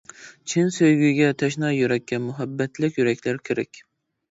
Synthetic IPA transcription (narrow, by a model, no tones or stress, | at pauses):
t͡ʃʰɪnsøjɡʲyjɡʲɛt̪ʰɛʃnɑjyɾɛkʲːɛnmʊɦɛbːɛt̪ʰlɪkʲjyɾɛkʲlæɾkʲʰɪɾɛ̰kʲ